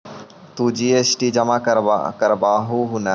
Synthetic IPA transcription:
t̪uːd͡ʒiːeːsʈiːd͡ʒɐmaːkəɾ̰kɐɾbaːɦuːɦunə

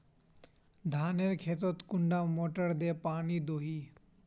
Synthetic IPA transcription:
d̪ʱaːneɾkʰeːt̪̬ot̪kʊɳɖaːmoːʈəɾd̪eːpaːniːd̪oːɦiː

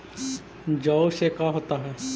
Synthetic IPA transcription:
d͡ʒɔːsekaɦoːt̪aɦɛː

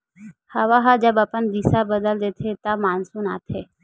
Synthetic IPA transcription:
həʋaːɦaːd͡ʒəbəpənd̪isabəd̪əld̪eːt̪ʰet̪amaːnsũːnaːt̪ʰeː

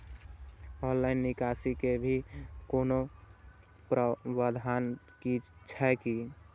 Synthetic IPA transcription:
ɔ̃nlainːikasikebʱikono | pɾʋad̪ʱan | kit͡ʃʰaki

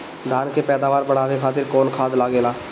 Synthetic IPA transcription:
d̪ʱaːnkepɛːd̪aːʋaːɾbəɽ̤aːʋekʰaːt̪ɪɾkɔːnkʰaːd̪laːɡeːlaː

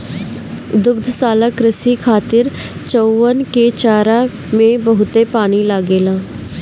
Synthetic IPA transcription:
d̪ʊɡd̪saːlaːkɾɪsiːkʰaːt̪ɪɾ | t͡ʃoənkeːt͡ʃaːɾaː | mẽːbəɦʊt̪eːpaːñiːlaːɡeːlãː

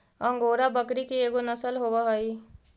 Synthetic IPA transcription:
ə̃ŋɡoːɾabəkɾikieːɡonəsəlɦoːwaɦoiː

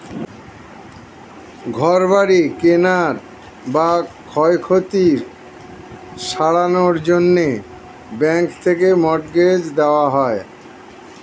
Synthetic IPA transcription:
ɡʱɔɾbaɾikenaɾ | bakʰɔekʰot̪iɾ | ʃaɽanoɾd͡ʑonːe | bɛŋkt̪ʰekemɔʈɡed͡ʑd̪eoaɦɔe

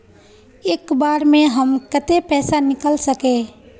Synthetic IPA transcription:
eːkbaːɾmẽɦəmkət̪epɛːsanɪkəlsəkẽː

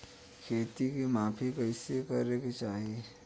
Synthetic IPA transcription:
kʰeːt̪ikimaːpʰikəɪskɐɾekit͡ʃaːɦie

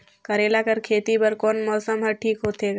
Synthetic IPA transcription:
kɐɾeːlakɐɾkʰeːt̪ibɐɾkoːnmɔːsəmɦɐʈʰiːkɦoːt̪eːɡaː

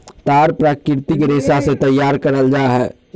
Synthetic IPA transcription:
t̪aɾpɾakɪɾt̪ikɾesasẽt̪əjːaɾkəɾəld͡ʒaɦɛː

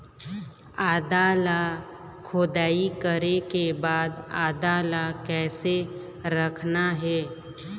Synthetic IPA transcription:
aːd̪aːla | kʰʊːd̪aːikəɾekebaːd̪aːd̪aːlakɛːse | ɾəkʰnaɦɛː

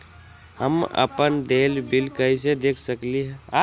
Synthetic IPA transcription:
həmə̰pənd̪elbilkəɪsed̪ekʰsəkliɦɛa

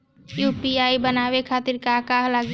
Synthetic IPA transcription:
juːpiaːibənaːʋekʰaːt̪ɪɾkakaːɦlaɡ

